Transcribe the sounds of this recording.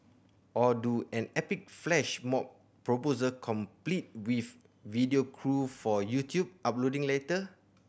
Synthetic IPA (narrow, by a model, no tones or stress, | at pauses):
ʔɔduʔɛ̃nɛpik̚flɛʃmɔp̚ | pːɹopozəkʰɔ̃mplit̚wif | vidiokʰɹufɔjutʰjub̚ʔap̚lodĩŋletə